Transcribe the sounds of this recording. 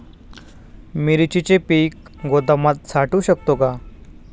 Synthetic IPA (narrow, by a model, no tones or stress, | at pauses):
miɾit͡ɕit͡ɕepiːk̚ | ɡod̪əmat̪̚t͡sʰaʈuːɕəkt̪oka